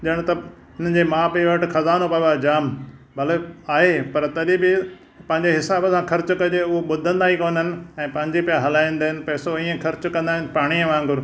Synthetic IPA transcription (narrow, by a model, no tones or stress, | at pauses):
ɗɐəɽ̃t̪ɐ | ɦʊn̤ənd͡ʑemãːbɪʋɐʈɪxʰɐzaːnopɐjoad͡ʑaːm | bʱɐleaːɦepɐɾt̪ɐɗibɪ | pɐ̃ɦɪ̃ɲd͡ʑeɦɪsaːbəsãkʰɐɾt͡ɕkɐd͡ʑeʊɦoɓʊd̪ʱə̃nd̪aːɦikoːnɦɪnɪ̆ɛ̃ːpɐ̃ɦɪ̃ɲd͡ʑipijaɦɐlaːĩn̆d̪aːɦɪnɪ̆pɛːsoiːə̃kʰɐɾt͡ɕkɐ̃nd̪aːɦɪnɪ̆paːɽ̃iə̃ʋãːŋɡʊɾ